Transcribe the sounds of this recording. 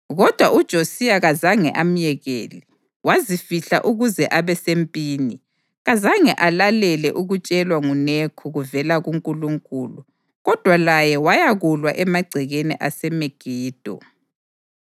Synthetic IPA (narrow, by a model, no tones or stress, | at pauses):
ɣɔd̥ʱwaʔud̥ʒ̥ʱosijaɣazaŋɛ̰ʔam̩jɛɣḛːli | wazifiɬa̰ʔuɣuzɛʔaβɛsempʼiːni | ɣazaŋɛʔalalɛlɛ̰ʔuɣut͡ʃʼɛlwaŋunekʰuɣuvɛlaɣuŋkʼuluŋkʼuːlu | ɣɔd̥ʱwalajɛwajaɣulwaʔɛmaɡ͡ǀʱɛɣenḭʔasɛmeɡ̥ʱiːd̥ʱɔ̰